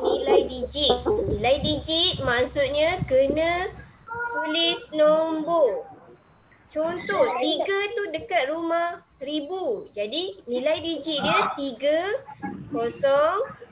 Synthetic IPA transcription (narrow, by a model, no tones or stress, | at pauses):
nĩlajdid͡ʒit̪̚nĩlajdid͡ʒit̪̚maksʊt̪̚ɲãkənə̃ | t̪ulɪsnɔmbo | t͡ʃɔnt̪ɔht̪iɡat̪udəkat̪̚rumah | ɾibud͡ʒadinĩlajdid͡ʒit̪̚diət̪iɡə | kɔsɔŋ